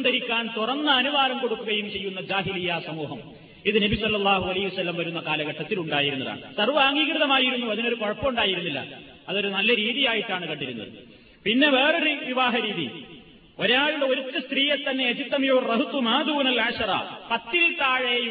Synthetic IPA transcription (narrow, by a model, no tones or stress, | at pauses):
d̪ɐɾikʲːaːnt̪urɐnːɐɐnuʋaːlɐmko̞ɽukːuɣɐjumt͡ɕe̞jːunːɐd͡ʑaːɦilijːasɐmuːɦɐm | iðɨnɐbisɐlːɐlːaːɦuɐlɐhiʋɐsɐlːɐmʋɐɾunːɐkaːlɐɣɐʈːɐt̪ːiluɳɖaːjiɾunːɐða̰ːɳsɐrʋɐaːŋɡiːkrɨðɐmaːjiɾunːuɐðino̞ɾukɐɻpːɐmuɳɖaːjiɾunːilːɐ̰ | ɐðo̞ɾunɐlːɐɾiːðijaːjiʈːaːɳɨkɐɳɖiɾunːɐ̰ðɨ | pinːe̞ʋe̞ːro̞ɾʋiʋaːɦɐɾiːðḭ | o̞ɾaːɻuɽeo̞ɾut̪ːɨst̪riːjet̪ːɐnːe̞jɐt͡ɕit̪ːɐmijoːrɐɦut̪ːumaːd̪uːnɐlɐːʂɐɾa̰ːpɐt̪ːilt̪aːɻeju